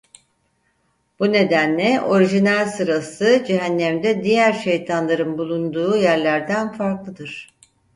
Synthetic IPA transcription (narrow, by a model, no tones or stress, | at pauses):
b̥une̞d̪ænlʲɛʔo̞ɾiʒinælʲsɯɾasɯd͡ʒeɦænːæmd̪ɛd̪ijæɾʃe̞jt̪ʰanlˠaɾɯnbulˠund̪uːjæɾlʲæɾd̪ænfaɾklˠɯd̪ɯɾ̝̥